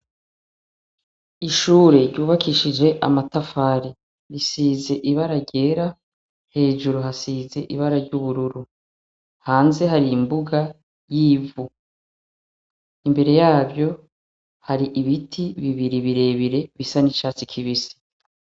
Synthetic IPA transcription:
iʃuːɾe̞ɾɟuːβakʰiʃid͡ʒe̞ʔa̰matafaːɾi | ɾisiːze̞ʔiβaɾaɾɟe̞ːɾa | he̞ːʒuɾuɦasiːze̞ʔiβaɾaɾɟuβuɾuɾu | haːnze̞ɦaɾiːmbuɡa | jiːvu | imbe̞ɾe̞jaːbjo̞ | haɾiʔiβitʰiβiβiɾiβiɾe̞βiɾe̞βisanit͡ʃaːt͡sikʰiβisi̥

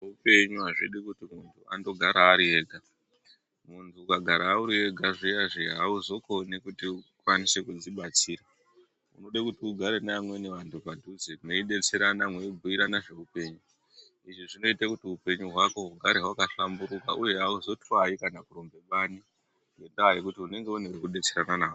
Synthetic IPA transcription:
upe̞ɲuɦaʐiɗikutimuntʰuʔando̞ɡʱaɾaːɾie̞ːɡʱa | muntʰuːkaɡʱaɾaːuɾie̞ɡʱaʐijaʐiɦauzo̞ko̞nikutiukwanise̞kud͡ziɓat͡siːɾa | ṵno̞ɗakutiuɡʱaɾenamwe̞neʋantʰupadʱud͡zemweiɗe̞t͡se̞ɾanamweibʱuiɾanaʐe̞upe̞ːɲu | iʐiʐino̞itakutiupe̞ɲuɦwako̞ɦuɡʱaɾeɦwakaɬambuɾuka̰ʔuje̞ɦauzo̞tʰwaikanakurombe̞ɓani | we̞ndawaje̞kutiune̞ŋɡe̞unewekuɗe̞t͡se̞ɾananaːo

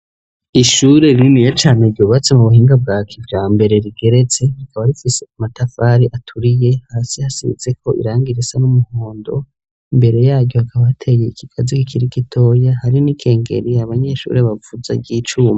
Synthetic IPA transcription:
iʃuɾe̞ɾinijat͡ʃaːne̞iɾɟoːβat͡semuβuhiːŋɡabɡaːkʰivjaːmbe̞ɾe̞ɾiɡe̞ɾe̞t͡se̞ɾikʰaβaɾifiseamatafaɾiʔatʰuɾije̞haːsihasiβḭze̞kʰo̞ʔḭɾaːŋɡiɾisanumuhoːndo̞ | imbe̞ɾe̞jaːɾɟo̞hakʰaβahatʰe̞je̞ikiɡ̥azikikʰiɾikitʰo̞ːjahaɾinikʰe̞ːŋɡe̞̰ɾiaβaɲe̞ʃṵɾe̞βavuza̰ɟiːt͡ʃuːma

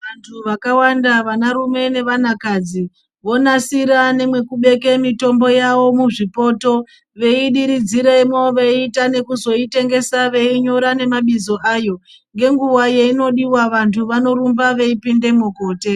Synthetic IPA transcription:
ʋantʰuʋakawandaʋanaɾume̞ne̞ʋanakaːd͡zi | ʋo̞nasiɾane̞mwe̞kuɓe̞ke̞mito̞mbo̞jaʋo̞muʐipo̞to̞ | ʋe̞iɗiɾid͡ziɾemo̞ʋeiːtane̞kuzo̞ite̞ŋɡe̞saʋe̞iɲo̞ɾane̞maɓizo̞ʔaːjo̞ | ŋɡe̞ŋɡuwaje̞ino̞ɗiwaʋantʰuʋano̞ɾumbaʋe̞ipinde̞muko̞ːte̞

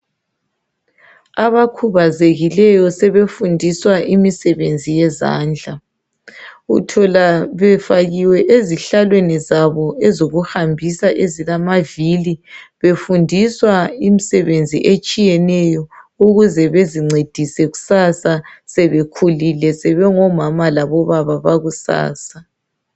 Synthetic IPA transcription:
aβakʰuβazeɣilɛjɔsɛβefundʱiswaʔimisɛβend͡zʱijɛza̰ːnd͡ɮʱa | ṵtʰɔlaβɛfaɣiwɛʔeziɬalwenizaβɔɛzoɣuhambʱisaʔezilamaviliβefundʱiswaimisɛβend͡zʱḭʔet͡ʃʼijɛnɛjɔuɣuzɛβeziŋ͡ǀed̥ʱisɛɣusasasɛβekʰulilɛsɛβɛŋɔmamalaβɔβaβaβaɣusa̰ːsa

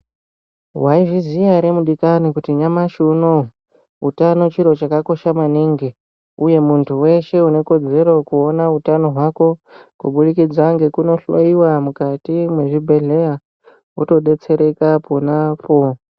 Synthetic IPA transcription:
waiʐizijaɾe̞muɗikanikutiɲamaʃuno | ṵtano̞t͡ʃiɾo̞t͡ʃakako̞ʃamaniŋɡi | uje̞muntʰuwe̞ʃe̞une̞ko̞d͡ze̞ɾo̞kuo̞nautano̞ɦwako̞kṵɓuɗikid͡zaŋɡe̞kuno̞ɬwo̰iwamukatimwe̞ʐibʱe̞ɮe̞ja | ṵto̞ɗe̞t͡se̞ɾe̞kapʰo̞napo̞

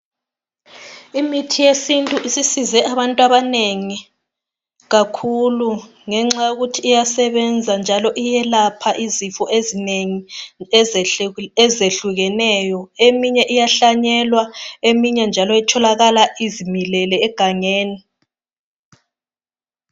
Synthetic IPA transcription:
imitʰijesintʼuisisizɛʔaβantʼwaβaneŋi | ɣakʰulu | ŋɛŋ͡ǁajuɣutʰiːjasɛβɛnd͡zʱand͡ʒʱalɔʔijɛlapʰaʔizifɔʔezineŋi | ɛzeɬuɣɛnɛjɔemiɲɛʔijaɬaɲɛlwaemiɲɛnd͡ʒʱalɔɛtʰɔlaɣalaizimilɛlɛːɡ̥ʱaŋeːni

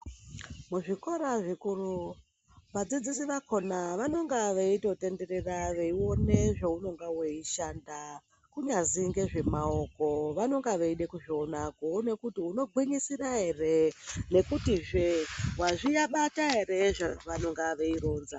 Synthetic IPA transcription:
muʐiko̞ɾaʐikuru | ʋad͡zid͡zisiʋakʰo̞naʋano̞ŋɡaʋeito̞te̞nde̞ɾe̞raʋeiwo̞neʐeuno̞ŋɡaweiʃanda | kuɲaziŋɡe̞ʐe̞mao̞ko̞ʋano̞ŋɡaʋeiɗekuʐionakone̞kutiuno̞ɡʱwiɲisiraɦe̞re̞ne̞kutiʐewaʐijaɓataɦe̞ɾe̞ʐeʋano̞ŋɡaʋeiɾoːnza

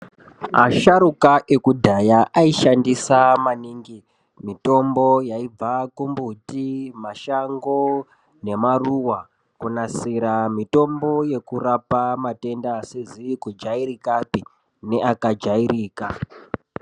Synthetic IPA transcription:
ma̰ʃaɾukaʔe̞kudʱajaʔaiʃandisamaniːŋɡi | mito̞mbo̞jaib͡vakumbutimaʃaŋɡo̞ | ne̞maruwa | kunasiɾamito̞mbo̞je̞kurapamate̞ndasezikud͡ʒaiɾikapi | ne̞ʔakad͡ʒaiɾiːka

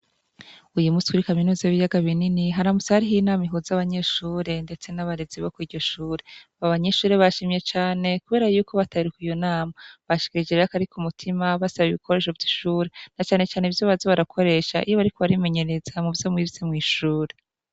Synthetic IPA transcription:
ujumuskuɾikaminuːzaiβijaɡaβininiɦaɾamusahaɾiɦinaːmiɦuzaβaɲe̞ːʃuːɾe̞nde̞t͡se̞naβaɾeziβokwiːɟo̞ʃuːɾe̞βaβaɲe̞ːʃuːɾe̞βaʃiːmɲe̞t͡ʃaːne̞kuβe̞ːɾajuːko̞βatʰaɾikuijo̞naːmaβaʃi̥kiɾid͡ʒeɾeɾakaɾikumutʰimaβasaβiβikʰo̞ɾe̞ːʃ̬o̞vɟiʃuːɾe̞nat͡ʃaːne̞t͡ʃaːneivjo̞βazoβaɾakʰo̞ɾe̞ːʃaʔijoβaɾiko̞βaɾime̞ɲe̞ɾe̞zamuvjo̞mŋizize̞mŋiːʃuːɾe̞

